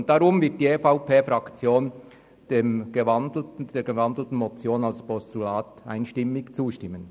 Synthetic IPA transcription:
nt̚d̥ɑɾʊmvɪɐt̚d̥iːefaʊpʰeːfɾɑkt͡sjoːn | d̥eːmɡ̥əvɑndl̩d̥eːɡ̥evɑndl̩tn̩mɔt͡sjoːnɑlspʰɔstulaːta̰ɪnʃtɪmːɪkt͡suːʃtɪmːən

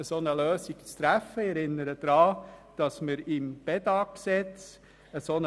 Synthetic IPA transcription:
əsonəløːsikt͡st̪ɾæfəɛɾɪnːəɾəd̥̪ɾɑːd̥ɑsməɾɪmb̥ɛdɑksɛt͡s | əson

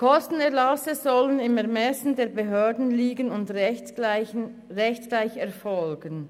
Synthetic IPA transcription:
kʰɔstn̩ɛɐʁlɑsəzɔlənɪmɛɐmɛsn̩deːɐbeɦøːɐdn̩liːɡənʊnd | ʁɛçtɡ̥laɪçɛɐfɔlɡən

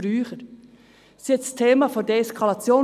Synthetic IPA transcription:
ɾyːχəɾ | siɛt̪stʰeːmafodeeskʰɑlɑt͡sjoː

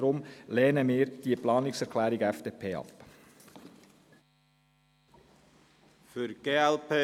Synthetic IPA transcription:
ɾʊmlɛːnəmɪːɾd̥iəplɑːnɪksɛɾkʰlæːɾɪɡɛfd̥eːpʰeːɑ̰p | fyɾɡ̥eːɛlpʰeː

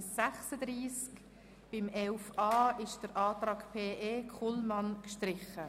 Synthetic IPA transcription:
sæχsədɾiːsk | b̥ɪmɛlfɑːɪʃd̥əɾʔɑːtɾɑːkpʰeːʔeːkʰχulmɑnkʃtɾɪχə

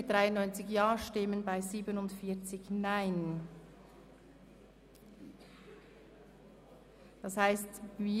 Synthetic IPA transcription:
d̥ʁaɪʊnːɔʏnt͡sɪçjaːʃtɪmənbaɪziːbənʊntfiːɐt͡sɪçnaɪn | d̥ɑshaɪstviː

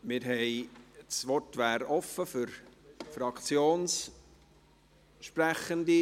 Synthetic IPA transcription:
mɪɾɦɛɪsʋɔtʋæːɾɔfəfʏɾfɾɑkt͡sjoːns | ʃpræχənd̪i

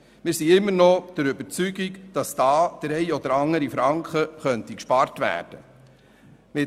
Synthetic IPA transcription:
mɪːɾsiɪmːəɾnɔd̥əɾʏbəɾt͡syɡikd̥ɑsd̥ɑːd̪̥ɾɛɪɔd̥̪əɾɑŋəɾifɾɑŋkχəχœntikʃpɑɾtʋæ̰ːɾd̥ə | mɪ

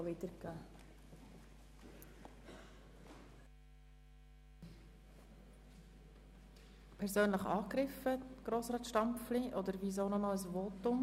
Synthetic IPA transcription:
vɪdəɾɡæː | pʰɛɾzøːnləχɑːɡɾɪfəɡ̥ɾoːsʁɑːtʃtɑmpfliʔɔd̪əɾviz̬oːnɔnɔəsvoːtʊm

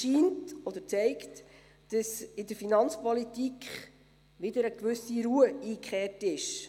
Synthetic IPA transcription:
ʃiːntɔd̪əɾt͡sɛɪkt | d̥əsɪdəɾfinɑnt͡spɔlitikχ | ʋɪdəɾəkʋʉsiɾuəiːkχeːrtɪʃ

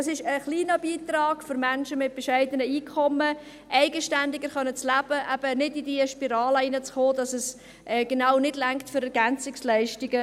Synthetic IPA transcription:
ɑsɪʃəχliːnɑbiːt̪rɑːɡ̥fʏɾmænʃəmɪt̚b̥ɛʃɛɪdənəiːkʰɔmːə | ʔɛɪɡəʃtændɪɡəχœnət͡slæb̥əʔæb̥ənɪdidiəʃpiɾɑːləinət͡sχoːdɑsəs | ʔɛːɡ̥enɑwnɪdlæŋktføɾɛɾɡænt͡sɪkslɛɪʃtɪɡə

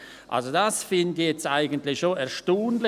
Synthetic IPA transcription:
ʔa̰lzodasfɪndçjɛt͡staɪɡəntlɪçʃoʔɛɐʃtoːnl

